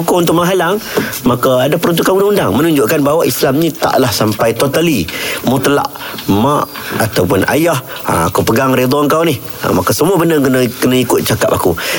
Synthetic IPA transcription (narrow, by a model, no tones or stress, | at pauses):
kʊunt̪̬ʊʔmaɦalaŋmakaadapəɾɔnt̪ukanundaŋundaŋmənuɲd͡ʒʊʔkanbaɦwaʔislamɲĩt̪a̰ʔlahsampajt̪ot̪alimut̪əla̰ʔ | maʔ | at̪awpʊna̰jah | a̰a̰kupəɡaŋɾed̪ɔəŋkawnɪh | a̰makasəmuabənəkənəkənaikʊt̪̚t͡ʃakapaku